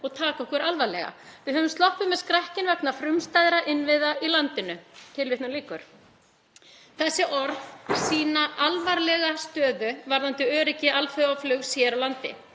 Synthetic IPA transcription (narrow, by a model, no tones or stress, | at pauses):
ɔɣt̪ʰaːkaɔkvɛɾalvaɾlɛ̰ɣa̰vɪðhɦœvʏmst̪lɔhpʏmɛðskɾahcɪnvɛknafɾʏmst̪ajðɾaʔɪnːvɪðailant̪ɪnʏt̪ʰɪlvɪht̪naliːkʏɾ̥ | θɛsːɪʔɔɾðsiːnaʔalvaɾlɛɣast̪œːðʏvaɾðant̪ʏœːɾɪcɪalfœɣaflœɣsjɛɾawlant̪ɪ̰